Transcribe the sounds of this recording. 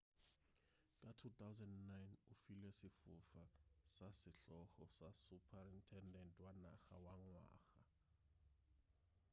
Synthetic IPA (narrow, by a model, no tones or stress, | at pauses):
kʼatʰut̪ʰawzɛndnajnufilɛsɪfufasasɪɬɔxɔsasupʰarintʰɛndɛntʰʼwana̰xa̰waŋwa̰ːxa